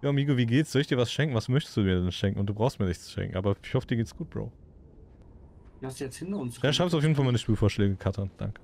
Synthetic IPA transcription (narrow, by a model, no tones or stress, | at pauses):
jaːmiːɡoviːɡeːtsz̥ɔlɪçd̥iːɐvasʃɛŋkŋ̩vasmœçtə̥sd̥uːmiːɐdɛnʃɛŋkŋ̩ʊnt̚d̥uːbʁaʊstmiːɐnɪçtt͡st͡su̥ʃɛ̰ŋkŋ̩ʔaːbɐɪçhɔfədiɐɡeːtəsɡ̥uːt̚b̥ʁo̰ʊ | asdujɛt͡shɪntɐʊnsjaʃʁ̥aɪpstduaʊfjeːdn̩falmaɪnəʃpiːlfoːɐʃlɛːɡəkʰatʰand̥a̰ŋkə̥